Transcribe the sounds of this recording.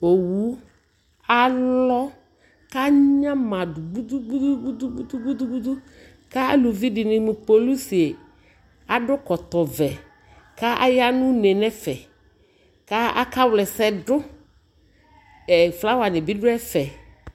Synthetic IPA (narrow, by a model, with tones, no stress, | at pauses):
o˨wu˨˦ | a˦lɔ˦ | ka˦ɲã˦mã˨dʊ˨ɡ͡bu˦du˦ɡ͡bu˦du˦ɡ͡bu˦du˦ɡ͡bu˦du˦ɡ͡bu˦du˦ɡ͡bu˦du˦ | ka˦a̰˦lu˨vi˦dɪ˨nɪ̃˨mu˨k͡po˨lu˦si˨e˨ | a˦ɖʊ˦kɔ˨t̪ɔ˨vɛ˨ | ka˦a˦ja˦nʊ̃˦nɛ˨nɛ˦fɛ˨ | ka˦a˦ka˦wlɛ˨sɛ˨dʊ˦ | ɛ˨fla˦wa˨nɪ˨bɪ˦dʊ˦ɛ˦fɛ˨